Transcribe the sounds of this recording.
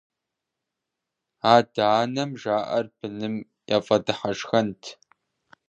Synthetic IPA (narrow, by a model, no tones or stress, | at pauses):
aːdaːnɐmʒaːʔɐrbɨnɨm | ja̰ːfʼɐdɨħaɐʂxɐntʰ